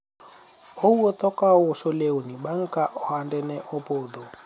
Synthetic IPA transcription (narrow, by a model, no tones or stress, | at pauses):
ouɔt̪ɔkaʊʊʃoleonibaŋ̩kʼaʔɔhandɛnɛʔɔpoːd̪ɔ